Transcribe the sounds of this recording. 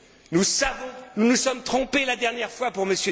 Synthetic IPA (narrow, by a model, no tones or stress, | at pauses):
nusavɔ̃nunusɔmt̪χɔ̃pelad̪ɛʁnjɛʁfwapuʁməsjø